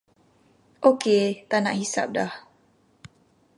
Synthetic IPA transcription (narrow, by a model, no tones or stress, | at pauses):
ʔoket̪anaʔhisa̰p̚dah